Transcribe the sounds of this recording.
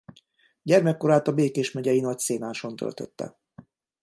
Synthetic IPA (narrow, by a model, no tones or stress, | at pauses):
ɟɛrmɛkːo̞ɾaːt̪ɒbeːkeːʃmɛɟɛjinɒc̚seːnaːʃo̞nt̪ø̰lt̪ø̰t̪ːɛ̰